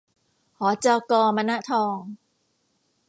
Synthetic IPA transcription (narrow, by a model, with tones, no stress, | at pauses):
hɔː˩˦t͡ɕaː˧wkɔː˧ma˧na˦˥ʔt̪ʰɔː˧ŋ